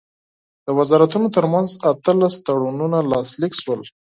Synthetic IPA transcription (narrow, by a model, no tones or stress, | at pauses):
d̪̥əwazɑɾat̪unot̪əɾmanzat̪əlast̪aɽununalɑslikʃwəl